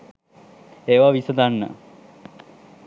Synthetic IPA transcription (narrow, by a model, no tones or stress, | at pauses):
eːʋaʋisəd̪anːə̰